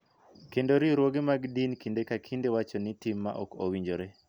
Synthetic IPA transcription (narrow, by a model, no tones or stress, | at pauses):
kendoɾiɾwoɡemaɡdinkindekakʰindewat͡ʃɔnɪtɪmːa̰ʔɔ̰ko̰wiɲd͡ʒoɾe